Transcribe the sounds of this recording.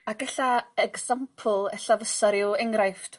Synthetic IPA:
aɡ̥ɛɬaɛɡz̥ampʰl̩ˠɛɬavəsaɾɪwɛŋrajft

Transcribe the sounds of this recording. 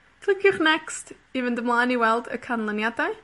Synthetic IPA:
kʰl̥ˠɪkʰjʊχnɛkst | ivəndəmlˠaːniwɛlˠdə̰kʰanlˠanjadaɨ

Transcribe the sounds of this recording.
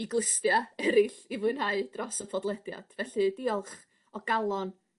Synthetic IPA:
iɡlˠɪstjaɛɾɪɬivʊɨnhaɨd̥rɔsəpʰɔdlˠɛdja̰d̥vɛɬɨdiɔlˠχ | ɔɡ̥alˠɔn

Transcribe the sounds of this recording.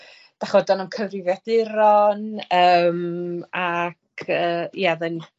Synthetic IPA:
d̥aχɔdɔnamkʰəvrɪvjɛdɪɾɔnəːmakʰəːjaðən

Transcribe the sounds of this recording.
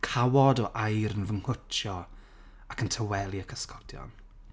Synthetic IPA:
kʰawɔdɔʔajɾənvəŋhʊt͡ʃʰjɔ | akʰəntʰəwɛlˠiəkʰəskɔd̥jɔ̰n

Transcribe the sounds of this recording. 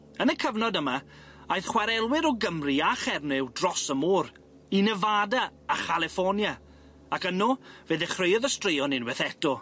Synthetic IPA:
ənəkʰəvnɔdəma | ajðχwaɾɛlˠwɪɾɔɡəmriaχɛrnɪwdrɔsəmɔːr | inəvadaːχalˠɪfɔnja | akənɔveːðɛχrejɔðəstrejɔnɪnwɛθɛtɔ

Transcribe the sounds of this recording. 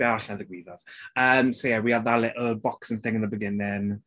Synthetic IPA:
ɛaɬnaðəɡwiːðɔv̥əːmsojɛwiaðalˠɪʔəbɔksə̃nθɪ̃ŋənðəbəɡɪnɪŋ

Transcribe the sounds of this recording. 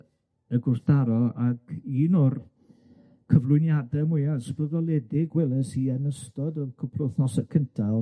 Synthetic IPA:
əɡʊrθd̥aɾɔaɡiːnɔr | kʰəvlˠʊjnjadɛmʊjasv̥əðɔlˠɛdɪɡwɛlˠəsiɛnəstɔdɔkʰəpʰlʊθnɔsəkʰəntʰalˠ

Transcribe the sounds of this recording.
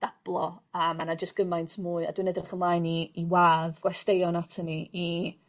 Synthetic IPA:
d̥ab̥lˠɔəːmanad͡ʒəstɡ̥əmajntʰmuːɨa̰dwinədrɪχəmlˠaːjniːwaːðɡ̥wɛstejɔnatʰənii

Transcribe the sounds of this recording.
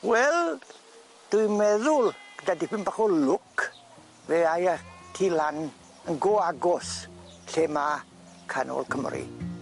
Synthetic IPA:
wɛl | d̥ujmɛðʊlɡ̥ədadipɪnbaχɔlʊk | veajatʰilan | əŋɡɔaɡɔsɬɛma | kʰanɔ̰lkʰəmrḭ

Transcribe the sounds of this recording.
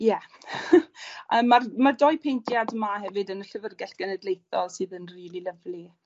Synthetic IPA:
jɛ | amarmardɔjpʰejntʰjadmahɛvɨdənəɬəvərɡɛɬɡ̥ənɛdlejθɔlˠsɨːðənriːlˠiləvli

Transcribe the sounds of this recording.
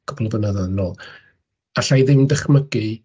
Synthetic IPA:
ɡ̥ɔblˠvənəðaðnɔ | aɬajðɪmdɛχməɡɨ

